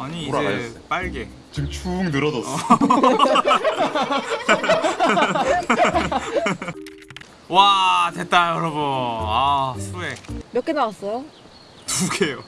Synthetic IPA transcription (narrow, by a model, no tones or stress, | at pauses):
aɲiːɾaajp͈aɭɡe | t͡ɕimt͡ɕʰuːŋnɯɾʌdʌ | watet͈ajoɾʌboasʰuemjʌk͈enawas͈ʌjo | tuɡejo